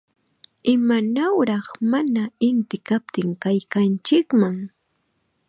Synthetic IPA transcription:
ɪmanawɾɑχmanaɪnt̪ɪkap̚t̪ɪŋkajkant͡ʃɪkmaŋ

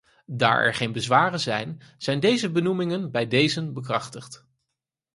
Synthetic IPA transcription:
da̰ːɹʔɛ̰ɹχejnbəzʋaːrənzɛjnz̥ɛjndejzəbənumɪŋənbɛjdejzənbəkrɑχtəχt

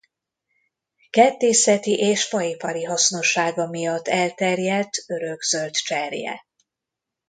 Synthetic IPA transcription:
kɛt̪ːeːsɛt̪iʔeːʃfɒjipɒɾiɦɒsno̞ʃːaːɡɒmijɒt̪ːɛlt̪ɛrjɛlt̪øɾø̞ɡzø̞lt̪t͡ʃɛrjɛ̰

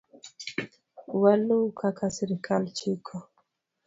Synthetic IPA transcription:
walukʰakʰasiɾikʰalt͡ʃikʰɔ

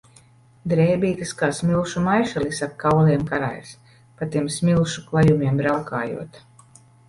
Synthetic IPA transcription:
d̪ɾɛːbʲiːt̪ɨskaːsmʲilˠʃumajʃalisakʰːawliɛmkaɾa̰js | pat̪iɛmsmʲilˠʃuklˠajumʲiɛmbɾawkaːjṵɔt̪

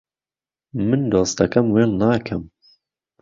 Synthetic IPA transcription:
mɨnd̪oːst̪ɐkɐmweːlnaːkʰɐm

